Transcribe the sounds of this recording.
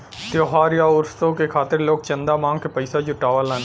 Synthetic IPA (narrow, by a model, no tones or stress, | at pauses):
t̪joːɦaːɾjaʊɾst̪õkekʰaːt̪ɪɾloːk̚t͡ʃɐ̃nd̪amãːŋɡkepəɪsad͡ʒʊʈaːʋalaːn